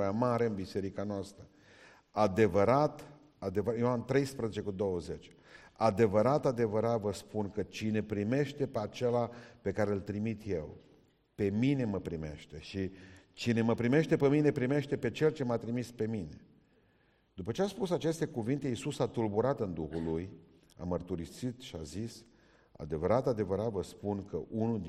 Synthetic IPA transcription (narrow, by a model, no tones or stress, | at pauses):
amaɾe̞ɨnbise̞ɾikanoast̪ɾə | ad̪e̞vəɾat̪ | ad̪evəjoamt̪ɾe̞jspɾəzet͡ʃe̞kud̪o̞wəze̞t͡ʃʲ | ad̪e̞vəɾat̪ad̪e̞vəɾat̪vəspunkət͡ʃine̞pɾime̞ʃt̪e̞peat͡ʃe̞lape̞kaɾelt̪ɾimit̪je̞̰w | pe̞mine̞məpɾime̞̰ʃt̪e̞ʃit͡ʃine̞məpɾime̞ʃt̪e̞pemine̞pɾime̞ʃt̪e̞pe̞t͡ʃe̞lt͡ʃe̞mat̪ɾimispe̞mine̞ | d̪̥upət͡ʃeaspusat͡ʃe̞st̪e̞kuvint̪e̞isusat̪ulbuɾat̪ɨnd̪uxuluj | a̰mərt̪uɾisit̪ʃia̰zis | a̰d̪e̞vəɾat̪ad̪e̞vəɾat̪vəspunkəʔunud̪